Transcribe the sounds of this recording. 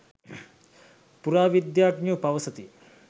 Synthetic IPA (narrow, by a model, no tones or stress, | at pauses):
puɾaːʋid̪jaːɡnupaʋɐsət̪i